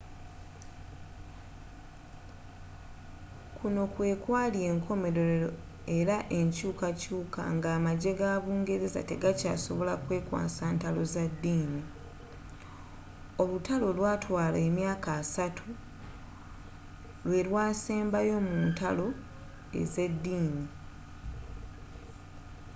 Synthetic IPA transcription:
kʰuno̞kwe̞ːkwaːlje̞ːŋkʰo̞me̞ɾo̞o | e̞ɾaʔe̞ɲcuːkacuːka̰ŋɡaːmaɟe̞ɡaːβuːŋɡe̞ɾeza̰te̞ɡaca̰ːso̞βo̞lakwe̞ːkwa̰ːsaːntalo̞zadːiːni | o̞lutalo̞lwaːtwaːlemjaːkaːsatʰu | lwe̞lwaːse̞ːmbajo̞muːntalo̞ | ḛze̞dːiːni

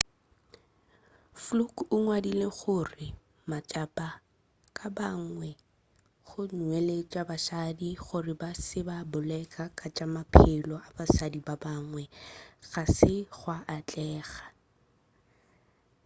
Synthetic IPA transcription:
flukʼʊŋwadileχʊrɪ | mat͡ʃʼapʼa | kʼabaŋwɛ | χʊnwɛlet͡ʃʼabaʃadiχʊrɪbasɪbabʊlɛkʼakʼat͡ʃʼamapʰɪlɔabaʃadibabaŋwɛɣasɪɣwaʔːt͡ɬʼɛːɣḁ

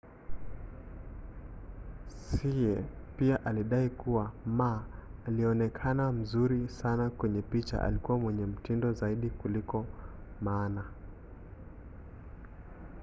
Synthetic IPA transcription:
siɛpiaʔaliɗaikuwamaːliɛɔnɛkʰanam̩zuɾisanakwɛɲɛpit͡ʃa̰ʔa̰likuwamwɛɲɛm̩tindɔzaiɗikulikɔmaːna

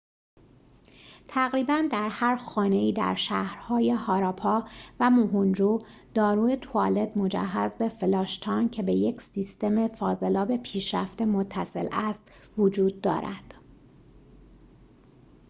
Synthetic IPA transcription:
t̪ʰæɣɾiːbænd̪æɾhæɾxɒːne̞iːd̪æ̰ɾʃæhɾhɒːje̞hɒːɾɒːpʰɒːvæmoɦund͡ʒuːd̪̥ɒːɾuːe̞t̪ʰoɒːle̞d̪mo̞d͡ʒæ̰ɦːæzbe̞felɒːʃt̪ʰɒːncʰe̞beje̞cʰsist̪e̞mefɒːze̞lɒːbe̞pʰiːʃɾæ̰ft̪e̞mot̪ʰːæse̞̰lʔæst̪ | vod͡ʒuːd̪ːɒ̰ːɾæ̰d̪̥

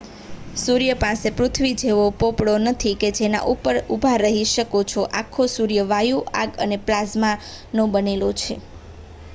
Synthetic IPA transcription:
suɾjəpãsepɾʊt̪ʰʋid͡ʒeʋopopɽonət̪ʰiked͡ʒena̰ʔupəɾubʱaɾəɦiʃəkot͡ʃʰoʔakʰːosuɾjəʋajuʔaɡə̰neplazma | nõbənelot͡ʃʰe

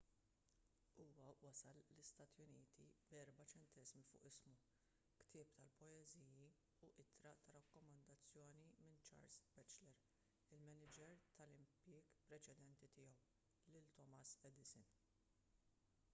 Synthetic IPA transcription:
uːwɐwɐsɐlːɪst̪ɐːt̪jʊniːt̪ʰibɛɾbɐt͡ʃɛnt̪ɛzmifʊ̰ːʔɪsmu | kt̪ʰɪːp̚t̪ɐlpɔjɛziːji | uʔɪt̪ɾɐt̪ɐɾɐkːɔmɐnd̪ɐt͡sːjɔːnimɪnt͡ʃɐ̰ːɾsbɛt͡ʃlɛɾ | ɪlmɛnɪd͡ʒɛɾt̪ʰɐlɪmpjɪːɡpɾɛt͡ʃɛd̪ɛnt̪it̪ɪːjɔw | lɪlt̪ɔmɐsɛd̪ɪsɪn

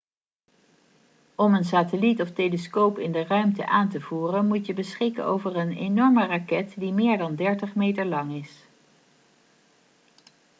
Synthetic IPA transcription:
ɔmənsaːtəlitɔfteləskowpɪndərœɥmtə̰ʔaːntəv̥uːrənmutjəbəsχɪkə̰no̰wvərənḛnɔɹmərɑkɛtdimɪːɹdɑndɛɹtəχmejtəɹlɑŋɪs

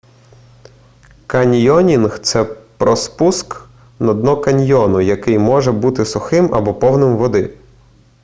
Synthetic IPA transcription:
kɐnʲjɔnʲinxt̪sɛpɾɔspusk | nɔd̪nɔkɐnʲjɔnʊjɐkɪjmɔʒɛbut̪ɪsʊxɪmʔɐ̰bɔpɔwnɪmʋɔd̪ɪ

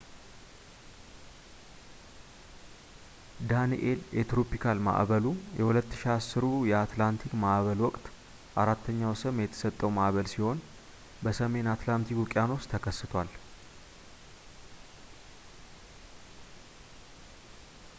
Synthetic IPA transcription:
d̪anḭʔe̞ljʔɛt̪ɾo̞pikʰalma̰ʔβəlujʔɛhulət̪ːɨ̥ʃiasːɨɾujɛat̪lant̪ʰikmaʔβəlwɔkʼt̪ | ʔaɾat̪ːəɲːawsɨmjɛt̪ʰə̥sət̪ʼːəwmaʔβəlsiho̞n | bəsəme̞nat̪lant̪ʰikukʼjano̞st̪ʰəkʰəsːɨt̪ʰwal

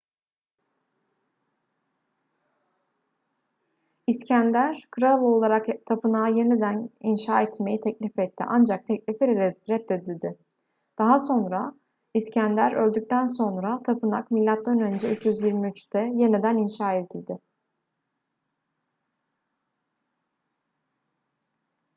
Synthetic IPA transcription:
iscʰænd̪æɾkʰɯɾalˠo̞lˠaɾakt̪ʰapɯnaːje̞nid̪æninʃaːɛt̪me̞jit̪ʰɛclʲifɛt̪ʰːḭʔand͡ʒak̚t̪ʰɛclʲifiɾɛt̪ːed̪ilʲd̪ɪ | d̪̥aɦaso̞nɾa | iscʰænd̪æɾø̞lʲd̪yc̚ʲt̪ʰæns̬o̞nɾat̪ʰapɯna̰kmilʲːat̪lːanø̞nd͡ʒɛyt͡ʃjyzjiɾmiyt͡ʃt̪ʰɛje̞nid̪æninʃaːed̪ilʲd̪ɪ

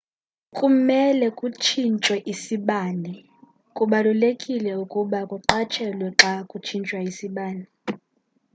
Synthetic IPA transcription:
kʼumɛlɛkʼut͡ʃʰint͡ʃʼwɛʔisiɓaːnɛ | kʼuɓalulekʼilɛukʼuɓakʼuǁat͡ʃʰɛlwɛǁakʼut͡ʃʰint͡ʃʼwaisiɓaːni

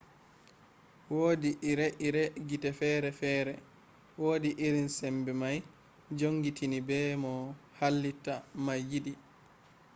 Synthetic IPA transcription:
woːdiʔiɾɛʔiɾɛɡitɛfɛːɾɛfɛːɾɛ | woːdiʔiɾinsɛmbɛmaj | d͡ʒoŋɡitʰinibɛmɔhalːitamajidi

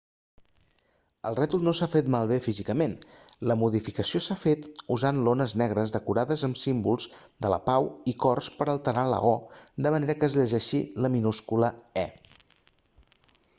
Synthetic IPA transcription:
əlˠrɛt̪ulˠnosafet̪malˠβefizikəmenləmuðifikəsiosafet̪uzanlonəznɛɣ̞ɾəzðəkuɾaðəzəmsimbulˠz | d̪ələ̰pawikɔrspəɾəlˠt̪əɾalə̰ɔd̪əməneɾəkəːzʎəʒɛʃiləminuskuləɛ

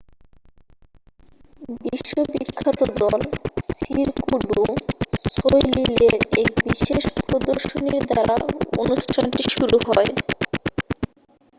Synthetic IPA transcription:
biʃːobikʰːat̪od̪ɔlsiɾkuɖusojlileɾekbiʃeʃpɾod̪oɾʃoniɾd̪aɾa̰o̰nuʃʈʰanʈiʃuɾuhɔe

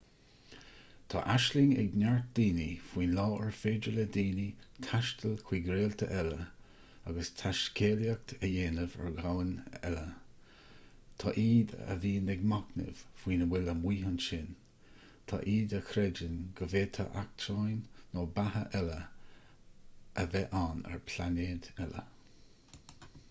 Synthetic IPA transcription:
t̪ʰɑ̰ːʔaʃlɪŋɛ̰ɡnaɹt̪̚d̪̥iːnifwiːnlɔːɛɹfeːd͡ʒələd̪iːnit̪ʰaʃtʰəlkʰw̥iːɡɾeːlt̪ʰə̰ʔɛlə | aɡəst̪ʰaʃkʰeːljak̚t̪ʰəjeːnəvə̰ɹɡawənɛ̰lə | t̪ʰɑ̰ːʔiːd̪ə̰viːnɛɡmaknə̰v̥vwiːnəwɪləmwiːhanʃɪn | t̪ʰɑ̰ʔiːd̪əkʰɾɛd͡ʒənɡ̥əveːt̪ʰə̰ʔak̚tʰɾajnːoːbahəʔɛlə | ʔəvɛʔanɛ̰ɹpʰlaneːd̪ɛlə̰

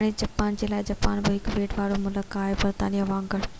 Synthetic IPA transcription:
ɽ̃id͡ʑɐpaːnd͡ʑelaːɪd͡ʑɐpaːnbəɦɪkʋeːʈʋaːɽomʊləkaːɦebɐɾt̪a̰ːnijəʋãːŋɡəɭ

